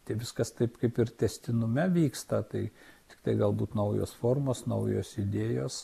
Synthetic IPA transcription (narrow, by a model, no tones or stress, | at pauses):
t̪ʲɛɪʋʲɪskɐst̪ɐɪpkɐɪpɪrt̪ʲɛsʲt̪ʲɪnʊmʲɛʋʲiːkst̪ɐt̪ɐɪt̪ʲɪ̥kt̪ɐɪɡɐlˠbuːt̪nɐʊjo̰ːsfoːrmoːsnɐʊjo̰ːsɪd̪ʲeːjoːs